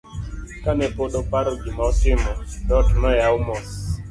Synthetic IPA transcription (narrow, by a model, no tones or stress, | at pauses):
kanɛpoɗɔpaɾɔd͡ʒimɔtɪmɔɗɔtnɔjaumɔs